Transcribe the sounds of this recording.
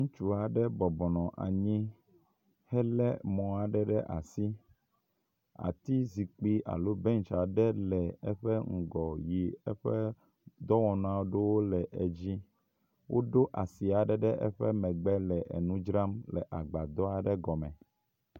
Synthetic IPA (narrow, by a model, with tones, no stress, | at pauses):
ŋũ˦t͡ʃu˦a˨ɖɛ˦bɔ˨bɔ˨nɔ̃˨ʔa̰˨ɲĩ˦ | hɛ˦lɛ˦mɔ̃˨a˨ɖɛ˦ɖɛ˦ʔa˨si˦ | a̰˨t̪i˦zi˨k͡pi˦ʔa̰˨lo˦bɛ˦ŋ˨t͡ʃa˨ɖɛ˦lɛ˨ɛ˦ɸɛ˦ŋ̩˨ɡɔ˨ji˨ɛ˦ɸɛ˦ | d̪ɔ˦wɔ̃˨ñ˦ã˦wo˦ɖe˦wo˦lɛ˨ʔɛ˨d͡ʑi˦ | wʔo˦ɖo˦ʔa˨si˨a˨ɖɛ˦ɖɛ˦ʔɛ̰˦ɸɛ˦mɛ̃˨ɡ͡bɛ˦lɛ˨ʔɛ̰˨nũ˦d͡ʒɾa˦mlɛ̰˨ʔa˨ɡ͡ba˨d̪ɔ˦a˨ɖɛ˦ɡɔ˨mɛ̃˨